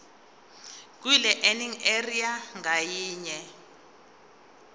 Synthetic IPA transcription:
k̬wilɛʔeniŋeriaŋajiːɲɛ

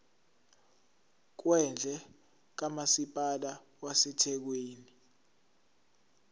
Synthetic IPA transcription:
k̬wɛnd͡ɮʱɛ | k̬amasipʼala | wasɛtʰɛk̬weːni

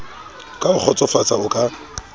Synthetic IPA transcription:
kʼaʊk͡xʰɔt͡sʼɔfat͡sʼaʊkʼa

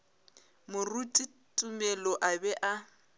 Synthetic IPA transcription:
mʊrutʼi | tʼumɛlɔʔabɛʔa

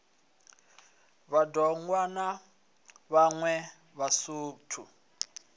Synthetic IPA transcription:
βadɔŋwana | βaŋwɛ | βasuːtʰṵ

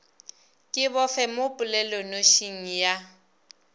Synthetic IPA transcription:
kʼɪbɔfɛmʊpʼʊlɛlɔnoʃiŋ̩ja

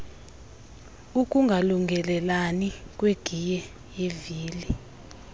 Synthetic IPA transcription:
ukʼuŋɡʱaluŋɡʱɛlɛlanik̬ʼweɡ̥ʱijɛ | jeviːli

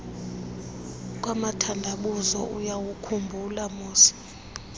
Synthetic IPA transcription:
k̬ʼwamatʰandʱaɓuzɔ̰ʔujawukʰumbʱulamuːsi̥

